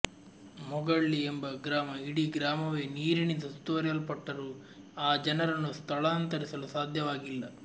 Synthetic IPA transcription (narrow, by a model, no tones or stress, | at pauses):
mɔɡɐɭːiembɐɡɾaːmɐiɽiɡɾaːmɐʋeːniːɾinid̪ɐst̪uʋɐɾjɐlpɐʈːɐɾu | aːd͡ʒɐnɐɾɐnːust̪ʰɐɭaːnt̪ɐɾisɐlusaːd̪ʱjɐʋaːɡilːɐ